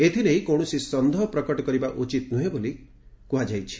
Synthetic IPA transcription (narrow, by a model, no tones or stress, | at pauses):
et̪ʰilejkowɽ̃ɔsisɔnd̪ʱɔɦɔpɾɔkɔʈɔkɔɾibaʔut͡ʃit̪nuɦeboli | kuɦad͡ʒajt͡ʃʰi̥